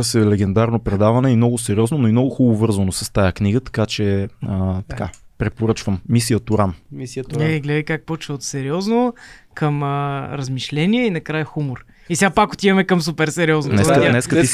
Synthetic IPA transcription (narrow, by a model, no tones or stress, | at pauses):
sɛlɛɡɛnd̪aɾnopɾɛd̪avɐnɛimnɔɡʊsɛɾiɔznonoimnɔɡʊxubovɤɾzvənosɐ̥st̪ajakniɡət̪ɐ̥kat͡ʃɛət̪ɐ̥kapɾɛpoɾɤt͡ʃvəmːisijət̪ʊɾamiɛɡlɛd̪əjkak̚pɔt͡ʃvəot̪sɛɾiɔznokəməɾəzmiʃlɛniɛinɐkɾajəxumoɾ | isɛɡapakʊt̪ivɐmɛkəms̬upɛɾsɛɾiɔznnɛk̪anɛskət̪i